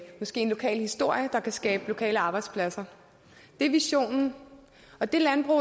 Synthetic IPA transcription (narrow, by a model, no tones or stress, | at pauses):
mɒ̽sɡ̥e̝̰ːenlo̝kʰɛ̰ːlhisd̥o̝ɐ̰jəd̥ɑ̈kʰæsɡ̥ɛːb̥əlo̝kʰɛ̰ːləɑ̈ːb̥ɑ̈ɪd̥spʰlæsɐ | d̥e̝ʋiɕo̝̰ːnn̩ | ɒ̽d̥e̝lænb̥ʁṵ